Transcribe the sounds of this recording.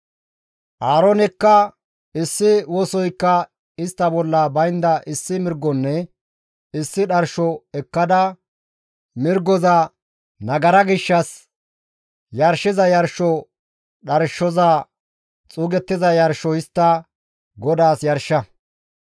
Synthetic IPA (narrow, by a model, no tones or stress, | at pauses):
ʔaːɾɔnɛkːɐ | ɪsːɪwɔːsɔjkːɐ | ɪst̪ːɐbɔlːɐbɐjnd̪ɐʔɪsːɪmɪɾɡːɔnːɛ | ɪsːɪɗɐɾʃɔɛkːɐd̪ɐ | mɪɾɡɔzɐ | nɐɡɐɾɐɡɪʃːɐs | jɐɾʃɪzɐjɐɾʃɔ | ɗɐɾʃːɔzɐ | t͡sʼuːɡɛt̪ːɪzɐjɐɾʃɔɪst̪ːɐ | ɡɔd̪aːsjɐɾʃːɐ